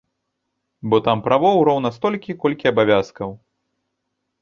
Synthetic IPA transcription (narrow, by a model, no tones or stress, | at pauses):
bɔt̪ampɾavɔwɾɔwnɐst̪ɔlʲkʲikɔlʲkʲiɐbavʲaskɐw